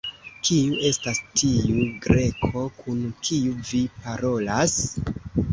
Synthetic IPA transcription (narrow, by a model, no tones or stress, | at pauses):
kiuʔe̞stastʰiuɡɾe̞kʰo̞kʰunkʰiuvipaɾo̞las